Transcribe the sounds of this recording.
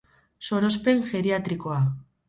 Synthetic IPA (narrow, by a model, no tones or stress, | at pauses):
so̞ɾo̞spe̞ŋxe̞ɾiat̪ɾiko̞a